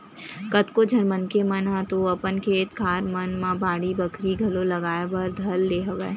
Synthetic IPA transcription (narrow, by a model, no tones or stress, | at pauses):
kɐt̪kod͡ʒʱɐnmənkemɐnãːt̪oɐpənkʰeːt̪kʰaːɾmɐnmãbaːɽibəkʰɾiɡʱɐlolɐɡaːjabɐɾd̪ʱɐlːeːɦəʋḛː